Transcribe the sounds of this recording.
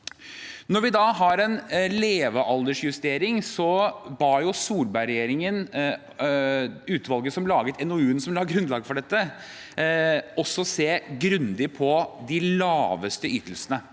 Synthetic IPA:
nɔɾʋɪd̪ɑːɦɑɾɛnleːʋəʔɑld̪əʂjʉst̪eːɾɪŋsɔbɑːɾjʊsuːlbæɪɾɛjeːɾɪŋən | ʉːt̪ʋɑlˠɡəsɔmlɑːɡət̪ʰɛnɔʉːənsɔmlɑːɡɾʉnd̪lɑːɡfɔɖɛt̪ːə | ɔsːɔseːɡɾʉnd̪ɪpʰɔd̪ɪlɑːʋəst̪əyːt̪əlsənə

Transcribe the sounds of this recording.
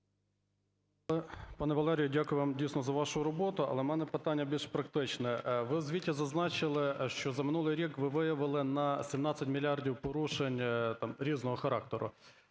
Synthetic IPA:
lˠɛpɑnɛʋɐlˠɛɾʲijʊdʲakʊjʊʋɑmdʲijsnɔzɐʋɑʃʊɾɔbɔt̪ʊɐ̰lˠɛmɛnɛpɪt̪ɑnʲːɐbʲilʃpɾɐkt̪ɪt͡ʃnɛʋɪwzʲʋʲitʲːizɐznɑt͡ʃɪlˠɪʃt͡ʃɔzɐmɪnulˠɪjɾʲikʋɪʋɪjɐʋɪlˠɪnɐsʲimnɑt͡sʲːɐtʲmʲilʲiɑrdʲiwpɔɾuʃenʲt̪ɑmɾʲiznɔɦɔxɐɾɑk̚t̪ɛɾʊ̰

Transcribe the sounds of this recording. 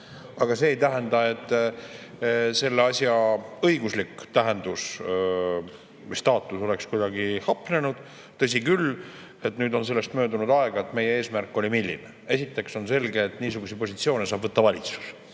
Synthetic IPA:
ɑɡ̥ɑse̞ːjt̪æɦend̪ɑe̞t̪ːˑ | se̞lːeɑsjɑɤ̞iɡuslikːt̪æɦend̪us | mist̪ɑːt̪ːˑuso̞le̞kskujd̪̥ɑɡihɑpˑne̞nud̪̥ | t̪ɤs̬ʲikyl | e̞t̪nyːd̪o̞ns̬e̞lːe̞st̪mø̞ːd̪unud̪ɑeɡ̥ɑe̞t̪ːme̞jeeːsmærkːˑo̞lʲimilʲːḭnee̞sit̪ːˑe̞kso̞nse̞lɡe̞ːt̪niːsuɡ̥usipo̞sʲit̪sio̞ːnesɑːbvɤt̪ːɑvɑlʲit̪su̥s

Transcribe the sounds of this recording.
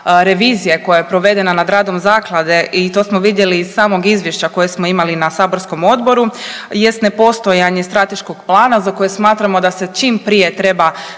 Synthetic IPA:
ɾe̞ʋiːzijeko̞jajepɾo̞ʋe̞d̪e̞nanad̪ɾaːd̪o̞mzaːklˠad̪e̞ʔit̪o̞smoʋid̪je̞liːssaːmo̞ɡizʋje̞ʃt͡ɕako̞je̞smo̞imalinasaːbo̞ɾsko̞mo̞d̪bo̞ɾuje̞st̪ne̞po̞st̪o̞jaɲe̞st̪ɾat̪e̞ʃko̞ɡplˠaːnazako̞je̞smaːt̪ɾamo̞d̪ase̞t͡ʃiːmpɾije̞t̪ɾe̞ba

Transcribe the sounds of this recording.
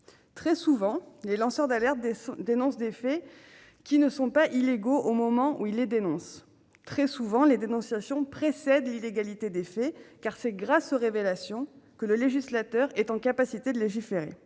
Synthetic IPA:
t̪χɛsuvɑ̃lelɑ̃sœʁd̪alɛʁt̪d̪enɔ̃sd̪efɛ | kʲinəsɔ̃paʔileɡoʔomɔmɑ̃ʔuilːed̪enɔ̃s | t̪χɛsuvɑ̃led̪enɔ̃sjasjɔ̃pχesɛd̪lileɡalit̪ed̪efɛkaʁsɛɡʁasoʁevelasjɔ̃kələleʒislat̪œʁɛt̪ɑ̃kapasit̪ed̪əleʒifeʁḛ

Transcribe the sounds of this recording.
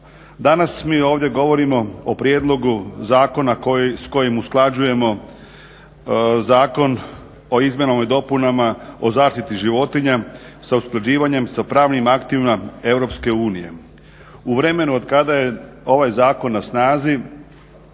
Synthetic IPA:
d̪anasmiːo̞ːʋd̪je̞ɡo̞ʋo̞ɾimo̞opɾjeːd̪lˠo̞ɡuzaːko̞nasko̞jimusklˠad͡ʑuje̞mo̞ | zaːko̞n | o̞izmje̞noːmid̪o̞punamao̞zaːʃt̪it̪iʒiʋo̞t̪iɲa | sausklˠad͡ʑiːʋaɲe̞msapɾaːʋnimakt̪iʋimae̞ʋɾo̞ːpske̞uːnije̞̰ | uʋɾe̞me̞nuo̞d̪kad̪aje̞o̞ʋajzaːko̞nːasnaːzi

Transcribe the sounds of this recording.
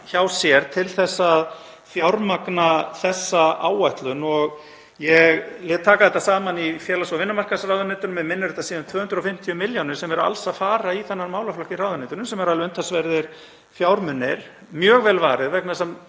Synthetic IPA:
çawsjɛɾt̪ʰɪlθɛsːað | fjawɾmaknaθɛsːaaːwajht̪lʏnɔɣ | jɛɣlɛːt̪t̪ʰːaːkaðɛt̪ːasaːmanifjɛːlasɔvɪnːʏmarkasrawðʏnɪt̪ʏnʏmjɛmɪnːɪɾɛt̪asiːðʏmt̪ʰvœːhʏnt̪ɾafɪm̥t̪ʰjiʏmɪljawnɪɾ̥sɛmɛɾa̰lsaðfaːɾaiθɛnːaɾmaːwlaflɔhcɪraːwðʏnɪt̪ʏɾnʏmsɛmɛɾaðlɪœnt̪ʰasvɛɾðɪɾ̥ | fjaːwɾmʏnːɪɾ̥ | mjœːɣvɛːlvaːɾɪðvɛknasɛm

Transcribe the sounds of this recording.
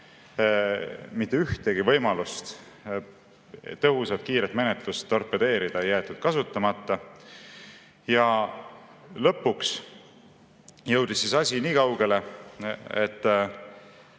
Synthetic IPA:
mit̪ːeyht̪e̞ɡ̥ivɤ̞jmɑlust̪ | t̪ɤɦusɑt̪̚kiːɾet̪me̞net̪lust̪ːo̞rpːˑed̪̥e̞ːɾid̪̥ɑejæːt̪ːˑud̪̥kɑsut̪ːˑɑmɑt̪ːˑɑ | jɑ | lɤ̞pːˑuks | jɤwd̪̥isːisɑsʲiniːkɑwɡ̥e̞le̞ | et̪ːˑ

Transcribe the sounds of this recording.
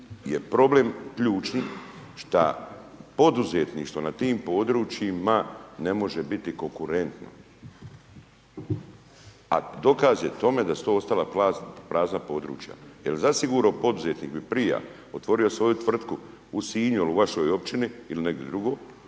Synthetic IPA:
je̞pɾo̞ble̞mkʎuːt͡ʃniʃt̪a̰ | po̞d̪uzet̪niːʃt̪ʋo̞nat̪iːmpo̞ːd̪ɾuːt͡ʃjimane̞mo̞ʒe̞bit̪iko̞ŋkuɾe̞nt̪no̰ | a̰d̪o̞kaːzjet̪o̞me̞d̪asu̥t̪oost̪alapɾazpɾaːznapo̞d̪ɾṵːt͡ʃja̰jelzasiɡuɾaopo̞d̪uzet̪niːkbipɾija̰ | ot̪ʋo̞ɾio̞sʋo̞jut̪ʋr̩t̪ku | usiːɲuluʋaʃo̞jo̞pt͡ʃiniiline̞ɡd̪jed̪ɾuɡo̞ː

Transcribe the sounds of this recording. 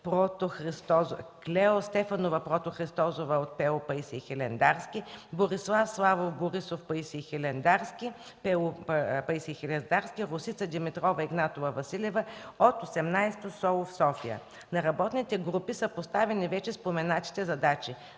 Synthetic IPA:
pɾɔt̪oxɾist̪ɔzklʲɛost̪ɛfɐnovɐpɾɔt̪oxɾist̪ɔzovəot̪̚pɛopɐisixɛlɛnd̪aɾskʲiboɾislˠafslˠavofboɾisofpɐisixɛlɛnd̪aɾskʲi | pɛpɐisixɛlɛnd̪aɾskʲiɾʊsit̪səd̪imit̪ɾɔvɐiɡnat̪ovəvɐsilʲɛvəot̪osɛmnajst̪osɔlˠofsɔfiə̰ | nɐɾɐbɔt̪nit̪ɛɡɾupisəpost̪avɛnivɛt͡ʃɛspomɛnat̪i̥t̪ɛzɐd̪at͡ʃi

